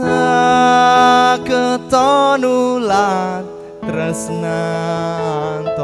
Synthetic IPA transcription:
a | kət̪ɔnulan | t̪ɾəsna | nt̪ɔ

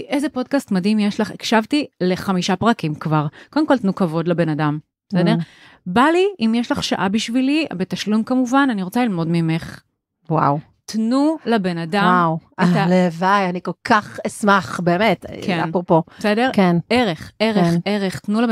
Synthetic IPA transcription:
ʔejzepo̞d̚kastmadimjeʃlaχekʃavtile̞χamiʃapʁakimkvaʁkodemko̞lt̪nukavo̞dlebe̞nadambesedeʁ | baliimjeʃlaχʃa̰ʔabiʃvilibe̞taʃlumkamuvananiʁot͡salilmo̞dmimeχ | wa̰w | tnulabenadawmwtalevajanikolkaχismaχbeːmetkʰeanpʁoposedeʁkeneʁeχʔeʁeχeʁeχtnul

